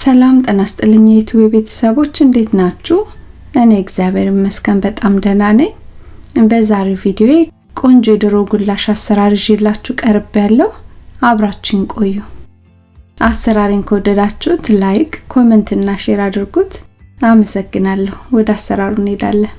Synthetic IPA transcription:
səlamt̪ʼənast̪ʼɨlːɨɲːjet̪ʰuweβe̞t̪ʰə̥səβo̞t͡ʃːɨnd̪e̞t̪nat͡ʃːu | ʔɨneɛɡzijaβeɾimːəskʰənbət̪ʼamd̪ənanəɲ | bəzaɾevid̪ioe | kʼo̞nd͡ʒjɛd̪ɨɾoɡulːaʃasːəɾaɾɨʒɛlːat͡ʃːukʼəɾɨbjalːəhuaβɾat͡ʃːɪnkʼo̞jːu | ʔasːəɾaɾinkʰəwɔd̪ːəd̪at͡ʃːɛt̪lajkʼkʰːo̞mənt̪ɨnːaʃeɾad̪ɨɾɡut̪aməsəɡːɨnalːəhuwɔd̪asːəɾaɾuned̪a̰lːəh

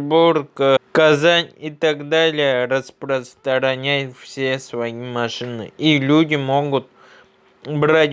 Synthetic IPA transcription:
burkəkazanʲɪt̪aɡd̪alʲɪjəɾəspɾəst̪əɾɐnʲajt̪fsʲesvɐjimɐʂɨnɨ̰ilʲudʲɪmo̞ɡʊt̪̚ | bɾatʲ

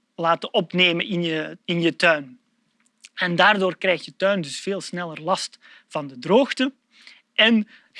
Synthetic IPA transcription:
laːtəʔɔpneːməɪnjəɪnjətœɥn | ɛndaːrdoːrkrɛjxtjətœɥndɵsfeːlˠsnɛlərlɑst | v̥ɑndədroːxtə | ʔɛn

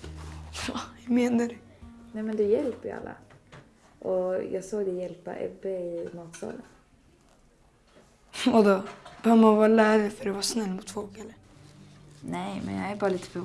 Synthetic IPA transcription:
ɑɛmeːnaɾɛnɛɪmɛnd̪ɛjɛlpəɾj̰a̰lːa̰ | ʔɔjɑːɡsoːɡd̪ɛjɛlpa̰ʔɛ̰bːɛɪmɑːt̪sɑ̰ːlən | ɔd̪ɔb̥ɛœːvəmavɑːɾlæːvəfœɾɛʋɑʂnɛlːmʊt̪fɔlkɛlːə | nɛjmɛ̰njɑ̰æɾbɑːɾaliːt̪ə̥fœ

